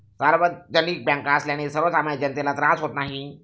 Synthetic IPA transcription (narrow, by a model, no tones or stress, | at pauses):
saɾʋət̪̚d͡ʑəniːk̚bjãŋkaəsljaɽ̃isəɾʋət͡samajd͡ʑənt̪elat̪ɾãsɦot̪naɦi